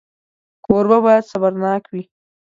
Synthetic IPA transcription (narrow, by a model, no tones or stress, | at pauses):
koɾbabɑjad̪sabaɾnɑkwi